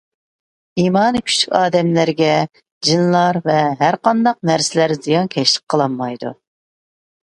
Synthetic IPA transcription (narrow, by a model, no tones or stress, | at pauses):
iːmɑːnɨkʲʰy̥ʃʰy̥kʲɑːd̪ɛmlæɾɡʲɛ | d͡ʒinlˠɑɾvɛɦæɾqɑnd̪ɑq̚næɾsɪlæɾzijɑŋkʲʰɛʃlə̥q̚qʰːəlˠɑmːɑjd̪ṵ